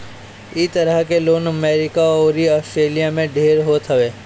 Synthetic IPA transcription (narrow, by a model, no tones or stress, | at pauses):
ɪt̪əɾəɦkeloːnəmeːɾɪkaoːɾiɔːsʈɾeːlijamẽɖʱeːɾɦoːt̪ɦɐʋeː